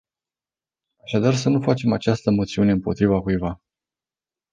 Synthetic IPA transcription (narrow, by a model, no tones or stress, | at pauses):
aʃad̪ars̬ənufat͡ʃe̞mat͡ʃast̪əmo̞t̪siune̞ɨmpo̞t̪ɾivakujva